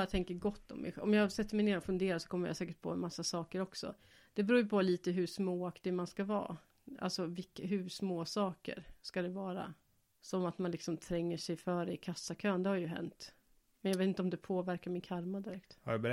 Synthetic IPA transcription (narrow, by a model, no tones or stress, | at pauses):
jat̪ʰɛŋkəɡɔt̪ːɔ̰mːɛ̰ɧɛ̰ʔɔ̰mjɑhasɛt̪ːəɾmɛjneːɾɔfɵnd̪eːɾasɔ̥kʰɔmːəɾja̰sɛːkəʈ̚pʰɔ̰ɛmasːasɑːkəɾɔksɔ̰ | d̪̥ɛbɾuːjpʰɔliːt̪əɦɵʂmoːakt̪ɪmanskavɑ̰ː | ʔa̰lsɔvɪkːɦɵʂmoːsɑːkə̰ɾskad̪ɛvɑːɾa̰ | sɔmat̪manlɪksɔmt̪ʰɾɛŋːəʂɛjfœːɾəɪkʰasːakʰøːnd̪ɛhaɾjɵɦɛ̰nt̪ | mɛnjɑveːt̪ɪnt̪ɔmd̪ɛpʰoːvæɾkaɾmɪnkʰaɾmad̪ɪɾɛkt̪hab